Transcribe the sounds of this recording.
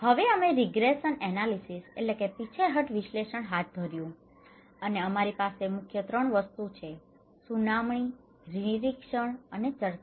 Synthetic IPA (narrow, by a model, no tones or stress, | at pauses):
həʋeəmeɾiɡɾesənɛnalisisḛʈlekepit͡ʃʰeɦəʈʋiʃleʃəɳɦat̪̚d̪ʱəɾjũ | əneəmaɾipasemʊkʰjət̪ɾəɳʋəst̪ut͡ʃʰe | sunamɳi | ɾinɾikʃəɳənet͡ʃəɾt̪